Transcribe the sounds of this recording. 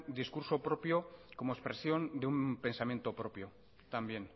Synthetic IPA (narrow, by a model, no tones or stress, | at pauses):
d̪iskuɾso̞pɾopjoko̞moespɾesjo̞nd̪eumpe̞nsamje̞nt̪o̞pɾo̞pjo | t̪ambje̞n